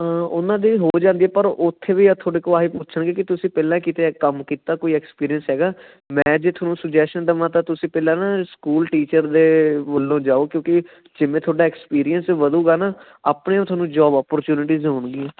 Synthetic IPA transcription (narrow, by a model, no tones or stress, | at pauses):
ʊnãːd̪iːɦoːd͡ʒãːnd̪iːɛːpəɾʊt̪ʰːeːʋiːat̪ʰoːɽeːkoːaːɦiːpʊt͡ʃʰəɳɡeːkɪt̪ʊsĩːpɛːlãːkiːt̪eːkəmkiːt̪aːkoːiːɛːkspiːɾijənsɦɛːɡaː | mɛ̃ːd͡ʒeːt̪ʰaːnũːsəd͡ʒɛːsʈənɖ̪əʋãːt̪ãːt̪ʊsĩːpɛːlãːnaːskuːlʈiːt͡ʃəɾd̪eːʋəlːõːd͡ʒaːoːkjõːkɪ | d͡ʒɪʋẽːt̪ʰoːɖaːɛkspiːɾijənsʋəd̪uːɡaːnaː | aːpɳeːõt̪ʰwaːnũːd͡ʒɔːbɔːpəɾt͡ʃjuːnɪʈiːzɦoːɳɡiːɛ̃ː